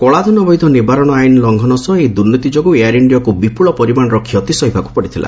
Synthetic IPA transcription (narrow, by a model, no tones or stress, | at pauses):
kɔɭad̪ʱɔnɔbɔjd̪ʱɔnibaɾɔɽ̃ɔajnlɔŋɡʱɔnɔsɔed̪uɾnit̪id͡ʒoɔɡueaɾiɳɖiakubipuɭɔpɔɾimanɔɾɔkʰːijɔt̪isɔɦibʱaku̥pɔɽit̪ʰilʔa̰